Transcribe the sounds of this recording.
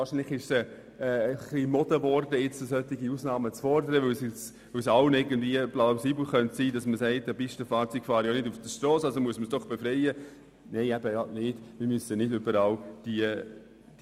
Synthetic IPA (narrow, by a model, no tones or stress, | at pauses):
vɑːɾʃiːnlɪχɪʃsɛ | ɛχlimɔd̥əʋɔɾdəɪt͡səsœt̪ːiɡiusnɑːmət͡sfɔɾdəɾəʋɵwsɪt͡s | ʋɵwsɑwnɪɡən̩dviəplaʊsiːbl̩χœntsiːdɑsməsɛɪt̚dæbɪʃtəfɑːɾt͡sykfɑːɾjonɪdufd̥əʃtrɔːsɑlsomuəsməsd̥ɔχb̥efɾɛɪə | neɪæbəjɑnɪd̥mɪɾmysənɪdʏbəɾɑːld̥iə̥